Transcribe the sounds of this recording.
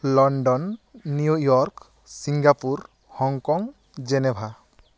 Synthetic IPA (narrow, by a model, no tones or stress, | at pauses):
lɔɳɖɔnːijujɔɾk | siŋɡapuɾ | hɔŋkɔŋ | d͡ʒɛnɛbʱa